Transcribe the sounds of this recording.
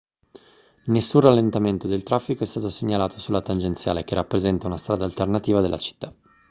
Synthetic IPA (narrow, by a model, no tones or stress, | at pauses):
nesːunralːent̪ament̪od̪elt̪ɾafːikoɛst̪aːt̪oseɲːalaːt̪osulːat̪and͡ʒent̪sja̰ːlekerːapːɾezɛnt̪aunast̪ɾaːd̪alt̪ernat̪iːvad̪elːʔa̰t͡ʃi̥t̪ːa